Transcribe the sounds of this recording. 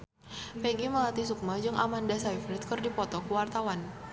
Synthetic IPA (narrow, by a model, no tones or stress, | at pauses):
pɛɡiməlat̪isuk̚mad͡ʒɨŋʔa̰mandasaiflɪt̪̚kɨrdipɔt̪ɔkəwart̪awan